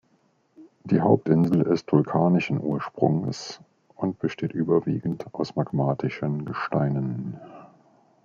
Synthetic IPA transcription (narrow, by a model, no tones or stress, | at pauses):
d̥iːɦaʊp̚tʔɪnzl̩ɪstv̥ʊlkʰaːnɪʃn̩ʔuːɐʃpʁ̥ʊ̰ŋəs | ʔʊnt̚b̥əʃteːtʔyːbɐvḭːɡn̩tʔaʊsmaɡmaːtʰɪʃənɡəʃtaɪnən